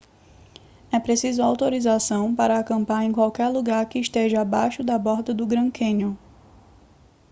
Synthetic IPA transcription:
ɛpɾesizʊawt̪oɾizasɐ̃w̃paɾɐakɐ̃mpaɾẽj̃kwawkɛɾluɡaɾkɪːʃt̪eʒɐabajʃʊd̪ɐbɔɾt̪ɐd̪ʊɡɾɐ̃kʰẽɲʊ

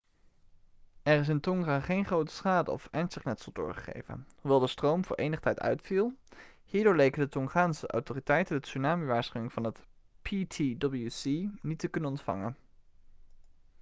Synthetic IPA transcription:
ɛrɪs̬ɪntɔŋraːχejnχrowtə̥sχaːdə̰ɔ̰fɛnsəχnɛtsəlˠdʊ̰ːɹχəχḛjvə̰nhuʋɛlˠdəstrowmvʊ̰ːɹʔejnəχə̥tʰɛjtœ̰ɥtfilˠ | hiːɹdʊːɹlejkəndətɔŋχaːnsəʔɑ̰wtoːritɛjtəndəsynaːmiʋaːɹsχyɪŋv̥ɑnɦət | pʰitʰidɔbl̩ˠjusinitəkɵnənɔntfɑ̰ŋən

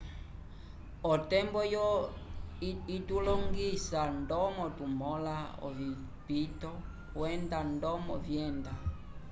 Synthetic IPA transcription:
ɔtɛmbɔjɔ | itulɔŋɡisandɔmɔtumɔlaɔ̰vi | pitɔ | wɛndandɔmɔvjɛnda

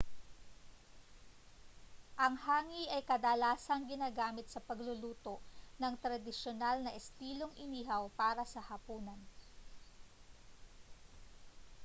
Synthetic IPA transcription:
ʔɐŋhaːŋiʔɐjkɐd̪alaːsɐŋɡɪnaːɡaːmɪt̪̚sɐpɐɡlʊluːt̪oʔnɐŋt̪ɾɐd̪ɪʃonalnɐʔɛst̪iːlo̞ŋʔɪniːɦɐwpaːɾɐsɐhɐpuːnɐn

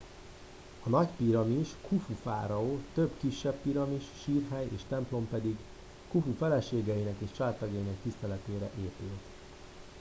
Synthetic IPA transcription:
ɒnɒɟpiɾɒmiʃkʰufufa̰ːɾɒoːt̪øbkiʃːɛbpiɾɒmiʃːiːrɦɛjḛːʃt̪ɛmplo̞mpɛd̪iɡ | kufufɛlɛʃeːɡɛjinɛkeːʃt͡ʃaːt̪ɒɡɒjinɛkt̪ist̪ɛlɛt̪eːɾɛʔeːpylt̪

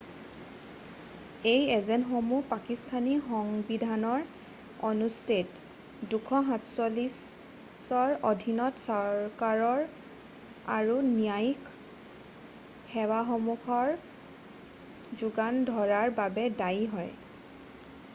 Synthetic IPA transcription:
ejɛzɛnxomupakistʰanixɔŋbidʱanɔɹ | ɔnustet | dukʰɔɦatsɔlis | sɔɹodʱinɔtsɔɹkaɹɔɹ | a̰ɹunijajk | hɛwaxɔmukʰɔɹ | zuɡandʱɔɹaɹbabɛdajɦɔj

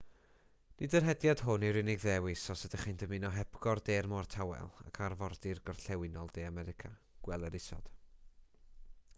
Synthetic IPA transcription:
nɪdərɦɛdjad̥ɦʊnɛwɾɪnɪɡðɛwɪsɔsɛdəχɪnd̥əmɪnɔɦɛb̥ɡɔrdeːrmɔrtʰawɛ̰lˠa̰kʰarvɔrd̥ɪrɡɔr̥ɬɛwɪnɔlˠdeːamɛɾɪkʰa | ɡ̥wɛlˠəɾɪsɔ̰d̥

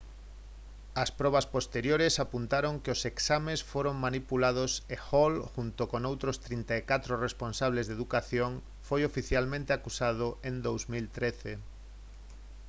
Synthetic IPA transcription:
ɐspɾɔβ̞aspost̪eɾjoɾesapunt̪aɾoŋkeoseksamẽsfoɾoŋmanipulað̞osexolxunt̪okonowt̪ɾost̪ɾint̪aekat̪ɾoresponsaβ̞lezðeðukaθjoŋ | fojofiθjalmẽnt̪eakusað̞oʔend̪owzmilt̪ɾeθe

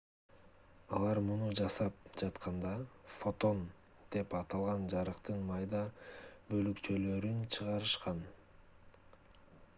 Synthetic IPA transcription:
ɑlˠɑɾmunud͡ʒɑsɑp̚d͡ʒɑt̪qʰɑnd̪ɑfo̞t̪o̞n | d̪̥e̞pɑt̪ɑlˠʁɑnd͡ʒɑɾɯqt̪ɯnmɑjd̪ɑbø̞lykt͡ʃølø̞ɾynt͡ʃʰɯʁɑɾɯʃqɑn

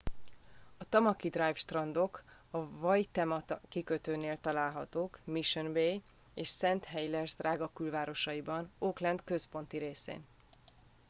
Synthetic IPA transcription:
ɒt̪ɒmɒkid̪rajfʃt̪rɒnd̪o̞k | ɒvɒjt̪ɛmɒt̪ɒkikøt̪øːneːlt̪ɒlaːlɦɒt̪oːkmiʃønbej | eːʃsɛnt̪ɦɛjlɛrzd̪rʔaːɡɒkylvaːɾo̞ʃɒjibɒnoːklɛnd̪kø̞spo̞nt̪iɾeːsḛːn

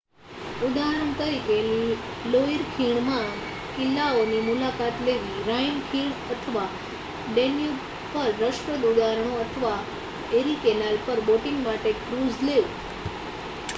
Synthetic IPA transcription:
ud̪aɾəɳt̪əɾikeniloiɾkʰiɳ̃mã | kɪlːaonimulakat̪leʋiɾajnkʰiɳət̪ʰəʋa | ɖenju | pəɾːəʃpəd̪ud̪aɾəɳ̃oət̪ʰəʋa | eɾikenalpəɾboʈɪŋɡmaʈekɾuzleu

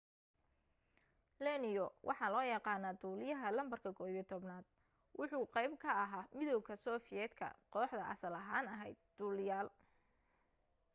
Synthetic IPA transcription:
lɛnɪjɔwʔɑħɑːlɔːjɑqɑːnaːd̪uːlɪjɐɦɐlɐmbɐrkʰɐkʰɔːit̪ʰɔbnaːd̪̥̚ | wʔʊħuːqɑjbkʰɐːɦaːmɪðɔwkʰɐsɔːfɪjɛːd̪kʰɐ̰qɔːħd̪ɐʔɐ̰sɐlɐɦaːnɐɦɛjd̪̥̚ːuːlɪjaːl

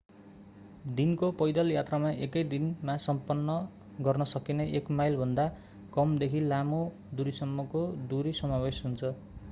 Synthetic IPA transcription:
d̪inkopʌjd̪ʌljat̪ramaʔekʌjd̪inmasʌmpʌnːʌ | ɡʌrnʌsʌkineʔekmajlbʱʌnd̪a | kʌmd̪ekʰilamo | d̪uɾisʌmːʌkod̪uɾisʌmawesɦunt͡sʰʌ

